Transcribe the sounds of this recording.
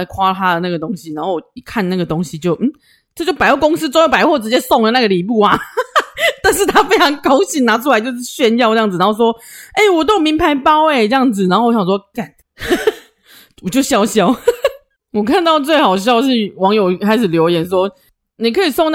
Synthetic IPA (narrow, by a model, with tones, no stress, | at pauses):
kʰwa˥˨t̪ʰa˥d̪ə˨˩na˥˩ɡə˩t̪o˥ŋɕi˨na˧˥nŋxo˥˩ʊi˨˩kʰa˥˨nna˥˩ɡə˩t̪o˥ŋɕi˨t͡ɕjo˥˩ʊm̩˥˩ | ʈ͡ʂɤ˥˧t͡ɕjo˥˩ʊpa˧ɪwɔ˥˩kʊ˥ŋsɹ̩˥ʈ͡ʂjpa˧˦˥wɔ˥˩ʈ͡ʂɻ̩˧˥t͡ɕjɛ˦˥sɔ˥˨ŋlə˨na˥˩ɡə˩li˨˩pu˥˩a˨˩ | t̪a˥˧nʂ̬ɻ̩˥˩t̪ʰa˥fe˥ɪʈ͡ʂʰɑ˧˥ŋkɑ˥ʊɕi˥˩nna˧˥ʈ͡ʂʰu˥a˧ɪt͡ɕjo˥˧ʊʂ̬ɻ̩˥˩ɕɥɛ˥˧˦njɑ˥˧ʊʈ͡ʂə˥jɑ˥˩ŋd͡z̩˨˩na˦˥xo˥ʊswɔ˥e˥˩ɪwɔ˨˩t̪̬o˥mi˧˥ŋpʰa˧˥ɪpɑ˥ʊe˨˩ʈ͡ʂə˥˧jɑ˥˩ŋd͡zɹ̩˨˩na˧˥nxo˥˩wɔ˦˩ɕɑ˨˩swɔ˥ka˥˨˩n | wɔ˨˩t͡ɕjo˥˩ʊɕjɑ˥ʊɕjɑ˥ʊ | wɔ˨˩kʰa˥˧nt̪ɑ˥˧ʊt͡swe˥˩ɪxɑ˨˩ʊɕ̬jɑ˥˧ʊʂɻ̩˥˩wɑ˧˥ŋjo˨˩ʊkʰa˥ɪʂɻ̩˨˩ljo˧˥ʊjɛ˨˩˦nʂwɔ˥ | ni˨˩kʰɤ˧˥i˨˩sɔ˥˧ŋna˥